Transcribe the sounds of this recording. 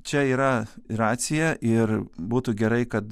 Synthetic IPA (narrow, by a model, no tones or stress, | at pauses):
t͡ʃʲɛiːɾɐrɑːt̪sʲɪjɛʔɪrbuːt̪uːɡʲɛɾɐɪkɐt̪